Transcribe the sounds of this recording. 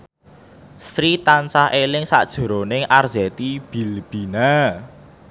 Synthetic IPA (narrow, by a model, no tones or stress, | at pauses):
st̪ɾit̪ansahʔelɪŋsa̰ʔd̥ʒ̥ɔ̤ɾonɪŋarzɛt̪ib̥i̤lb̥ina